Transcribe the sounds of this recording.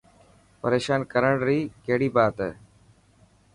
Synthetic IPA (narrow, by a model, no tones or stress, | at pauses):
pəɾeːʃaːnkəɾəɳɾiːkeɦɽiːbaːt̪ː